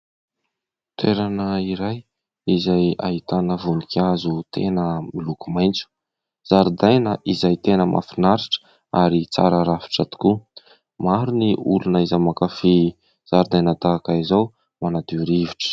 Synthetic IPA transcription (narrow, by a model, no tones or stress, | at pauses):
t̪ʰeɾanəiɾaj | izaja̰ɦit̪anəvunikʲazut̪enəmilukumajnt͡su̥ | z̥aɾud̪ajnəʔizajt̪enəmʔa̰finaɾiʈ͡ʂə̥ | aɾit͡sa̰ɾəɾafi̥ʈ͡ʂat̪u̥ku | maɾuniulunəizamakafi | z̥aɾd̪ajnət̪akaizaw | manad̪iuɾiviʈ͡ʂə̥